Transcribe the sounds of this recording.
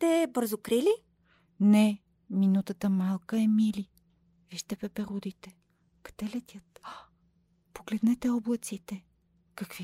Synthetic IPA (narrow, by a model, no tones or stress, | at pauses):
t̪ɛbɤɾzokɾili | nɛ | minut̪ət̪əmalˠkəɛmili | viʃt̪ɛpɛpɛɾud̪it̪ɛ | kɐ̥t̪ɛlɛt̪ʲjət̪̚ | poɡlɛd̪nɛt̪ɛɔblˠət̪sit̪ɛ | kɐkvi